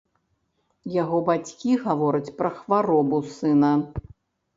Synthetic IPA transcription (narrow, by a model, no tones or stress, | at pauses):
jaɣɔbat͡sʲkʲiɣavɔɾɐt͡sʲpɾɐxvaɾɔbusɨnɐ